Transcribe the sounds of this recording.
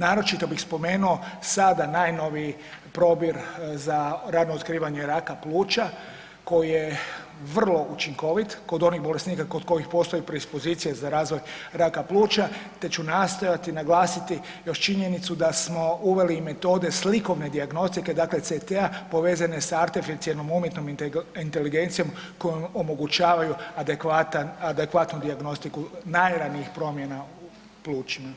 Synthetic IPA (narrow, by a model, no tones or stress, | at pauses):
naːɾo̞t͡ʃit̪o̞bixspo̞me̞ːnuo̞sad̪anajno̞ʋi | pɾo̞bjiɾzaɾaːd̪noot̪kɾiːʋaɲe̞ɾakaplˠuːt͡ʃa | ko̞jije̞ | ʋr̩lˠo̞ʔut͡ʃiŋko̞ʋit̪ko̞d̪o̞nixbo̞lesniːkako̞d̪ko̞ixpo̞ːst̪o̞jipɾoispo̞ziːt̪sijezaɾaːzʋo̞jɾakaplˠuːt͡ʃat̪e̞t͡ʃunast̪o̞jat̪inaɡlˠaːsit̪i | jo̞ʃt͡ʃiɲe̞nit̪sud̪asmo̞uʋe̞lime̞t̪o̞ːd̪e̞sliko̞ʋne̞d̪iaɡno̞st̪ike̞d̪aːkle̞t̪set̪eapo̞ʋe̞ːzanesaɾt̪efit̪sielnomumje̞t̪nomint̪e̞liɡe̞nt̪sijo̞mko̞jomomo̞ɡut͡ʃaːʋajuad̪ekʋat̪anad̪ekʋat̪nud̪iaɡno̞st̪ikunajɾaːniixpɾo̞mje̞nau | plˠuːt͡ʃima